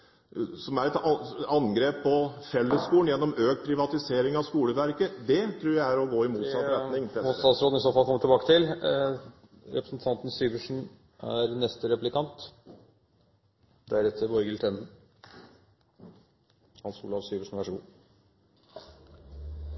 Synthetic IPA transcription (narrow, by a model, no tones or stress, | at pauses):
sɔmæɾɛt̪ɑnɡɾeːpʰːɔfɛlːəskuːlənjɛnːɔmøːkpʰɾɪʋɑt̪ɪseːɾɪŋɑʋskuːləʋæɾkəd̪ɛt̪ʰɾuːɾjæɪæɾɔɡoːɪmuːt̪sɑt̪ɾɛnɪŋossɑsɾoːd̪n̩ɪsoːfɑlkʰɔmːət̪ɪlbɑːkət̪ʰɪl | ɾɛpɾəsnt̪ʰɑnt̪n̩syːʋəʂɳ̩ | æɾnɛst̪əɾɛplɪkʰɑnt̪ | d̪̥æɾɛt̪ʰːəɾʋɔʏɡəlt̪ʰɾɛnd̪n̩ | hɑnskṵːləɑsyːʋəʂɳn̩ʋæʂɔɡṵː